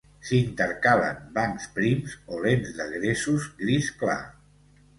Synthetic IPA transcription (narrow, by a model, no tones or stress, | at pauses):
sint̪əɾkaβə̰mbaŋkspɾimzolenzd̪əɣɾesuzɡɾiskla̰